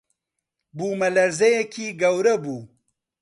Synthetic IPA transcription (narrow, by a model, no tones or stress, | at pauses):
buːmɐlɐɾzɐjekʰiːɡɐwɾɐbuː